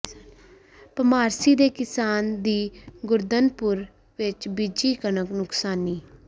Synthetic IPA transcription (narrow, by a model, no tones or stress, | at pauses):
pəmaːɾsiːd̪eːkɪsaːnd̪iːɡʊɾd̪ənpʊɾ | ʋɪt͡ʃbid͡ʒiːkənəknʊksaːniː